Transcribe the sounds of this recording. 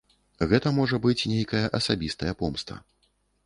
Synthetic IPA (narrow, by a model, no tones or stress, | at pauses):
ɣɛt̪ɐmɔʐɐbɨt͡sʲnʲejkɐjɐʔɐsabʲist̪ɐjɐpɔmst̪vɐ̰